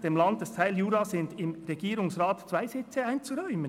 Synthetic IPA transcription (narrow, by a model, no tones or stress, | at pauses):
d̥emlɑnd̚d̥ɛstʰaɪljuːɾɑsɪndɪmɾɛɡiːɾʊŋsʁɑːtt͡sv̥aɪzɪt͡səaɪnt͡suɾɔʏmən